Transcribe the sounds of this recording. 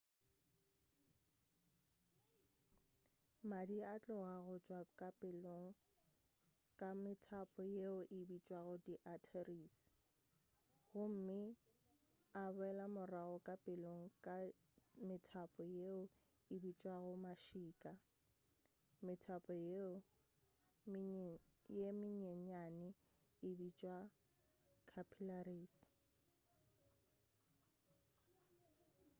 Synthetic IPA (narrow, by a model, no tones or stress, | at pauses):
madiat͡ɬʼɔɣaɣʊt͡ʃʼwakʼapʼɪloŋ̩ | kʼamɪtʰapʼɔjeʊʔɪbit͡ʃʼwaɣʊdiʔatʰeriːs | ɣʊm̩mɪ | abʊɛlamʊraɣɔkʼapʼɪloŋ̩kʼa | mɪtʰapʼɔjeʊ | ɪbit͡ʃʼwaɣʊmaʃiːkʼa | mɪtʰapʼɔ | jemɪɲeɲanɪ | ɪbit͡ʃʼwa | kʰapʰilariːs